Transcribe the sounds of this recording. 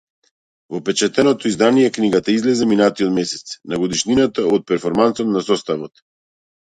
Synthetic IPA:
vɔpɛt͡ʃat̪ɛnɔt̪ɔizd̪anijɛkniɡat̪aizlɛzɛminat̪iɔt̪mɛsɛ̥t̪snaɡɔd̪iʃninat̪aɔt̪̚pɛɾfɔɾmansɔt̪nasɔst̪avɔt̪

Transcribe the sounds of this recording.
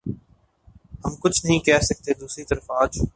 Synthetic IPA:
hɐmkʊt͡ʃʰnəɦĩkɛːɦsɐk̚t̪ed̪uːsɾit̪ɐɾəfaːd͡ʒ

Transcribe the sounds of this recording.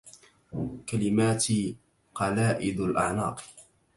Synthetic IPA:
kalɪmaːt̪i | qɑlaːʔɪd̪alʔa̰ʕnɑ̰ːq

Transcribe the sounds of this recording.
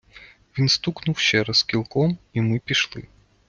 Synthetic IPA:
vʲinst̪uknuwɕɛɾɐskʲilˠkɔmimɨpʲiʂlˠɨ̰

